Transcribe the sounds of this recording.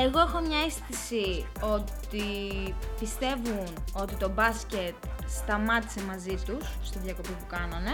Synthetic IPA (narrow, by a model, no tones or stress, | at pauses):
eɣo̞e̞xo̞mɲɐesθisio̞t̪i | pist̪e̞vuno̞t̪it̪o̞bɐsce̞t̪st̪ɐmɐt̪i̥se̞mɐzit̪usːt̪iðʝɐko̞pipukɐnɐne̞